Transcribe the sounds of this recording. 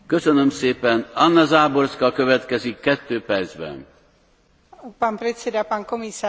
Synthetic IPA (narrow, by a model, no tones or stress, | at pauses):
kø̞sønømseːpɛnɒnːɒzaːborskɒkøvɛt̪kɛzikːɛt̪ːøːpɛrd̪zbɛ̰n | panpɾɛsɛdapankomisa